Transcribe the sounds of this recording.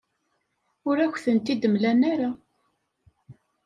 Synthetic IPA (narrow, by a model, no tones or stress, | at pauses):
ʊɾæçʷθənt̪id̪əmlænaɾa